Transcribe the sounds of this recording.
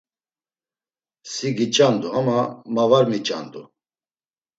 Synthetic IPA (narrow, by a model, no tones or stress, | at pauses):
siɡit͡ʃʼand̪uamamavaɾmit͡ʃʼa̰nd̪u